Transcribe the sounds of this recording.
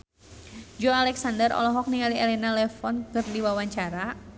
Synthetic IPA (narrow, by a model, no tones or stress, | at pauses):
d͡ʒɔalɛksandərɔ̰lɔɦɔk̚niŋaliɛlɛnalɛfɔnkərdiwawaɲt͡ʃaɾa